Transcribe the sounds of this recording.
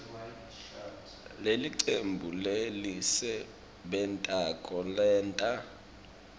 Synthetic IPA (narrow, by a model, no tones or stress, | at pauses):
leliǀembʱulelisɛ | bɛntʼakʼɔlɛːntʼa